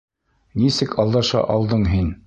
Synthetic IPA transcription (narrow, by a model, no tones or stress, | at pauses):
nisɘkʰɑlˠd̪ɑʃɑ̰ʔɑlˠd̪ɤɴɦin